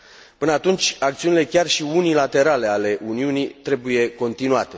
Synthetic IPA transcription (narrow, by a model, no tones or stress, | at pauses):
pɨnəat̪unt͡ʃʲak̚t̪siunile̞kʲarʃiunilat̪e̞ɾale̞ale̞ʔuniunit̪ɾe̞buje̞ko̞nt̪inua̰t̪e̞